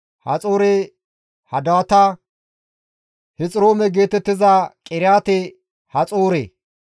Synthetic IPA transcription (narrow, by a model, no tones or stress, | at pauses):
hɐ̰t͡sʼoːɾe | hɐd̪at̪ɐ | hɪt͡sʼɪɾoːmɛɡe̞ːt̪ɛt̪ːɪzɐkʼɪɾɪaːt̪ɛ | hɐt͡sʼoːɾḛː